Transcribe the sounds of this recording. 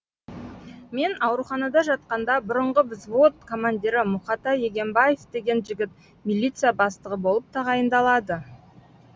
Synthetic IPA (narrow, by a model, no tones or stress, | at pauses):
me̞nɑwɾuχɑnɑd̪ɑʒɑt̪̚qɑnd̪ɑbʊɾəɴʁəvɪzvot̪kʰo̞manʲd̪ʲiɾɪmʊχɑt̪ɑje̞ɡʲe̞mbaje̞vd̪e̞ɡʲe̞nʒɪɡʲɪt̪ | milʲːit̪sɨjabɑst̪əʁəbo̞lˠəp̚t̪ʰɑʁɑjənd̪ɑlˠɑd̪ə